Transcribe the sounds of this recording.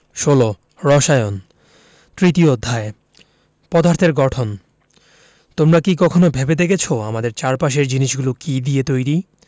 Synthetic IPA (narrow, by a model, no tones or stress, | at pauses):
ʃolo | ɾɔʃajon | t̪ɾit̪iod̪ʱːae | pɔd̪ʱaɾt̪ʰeɾɡɔʈʰon | t̪omɾakikɔkʰonobʱebed̪ekʰet͡ɕʰoamad̪eɾt͡ɕaɾpaʃ̬eɾd͡ʑiniʃɡulokid̪iet̪ojɾi